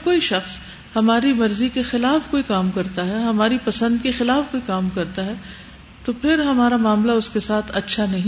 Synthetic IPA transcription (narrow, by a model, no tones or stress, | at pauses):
koːiʃɐxs | hɐmaːɾimɐɾzikexɪlaːfkoːikaːmkɐɾt̪aɦɛɦɐmaːɾipɐsə̃nd̪̚kexɪlaːfkoːikaːmkɐɾt̪aɦɛ | t̪opʰɪɾɦɐmaːɾamaːmlaʊskesaːt̪ʰɐtːʃʰanɐɦĩ